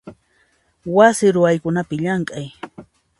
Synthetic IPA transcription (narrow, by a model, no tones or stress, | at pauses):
wasɪɾʊajkʊnapɪʎaɴkʼaj